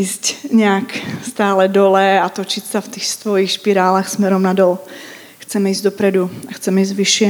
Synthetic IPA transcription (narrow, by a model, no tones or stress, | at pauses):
iːscɲɛakst̪aːlɛd̪ɔlɛat̪ɔt͡ʃicsaft̪ixst̪ʋɔjixʃpiɾaːlaxsmɛɾɔmnad̪ɔl | xt͡sɛmɛiːzɟd̪ɔpɾɛd̪uaxt͡sɛmɛizɟʋiʃɪɛ